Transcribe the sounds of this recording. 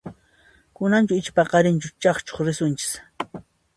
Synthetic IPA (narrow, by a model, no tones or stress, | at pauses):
kʊnant͡ʃʊɪt͡ʃpɑqɑɾɪnt͡ʃʊt͡ʃɑχt͡ʃo̥χɾɪsʊnt͡ʃɪ̥s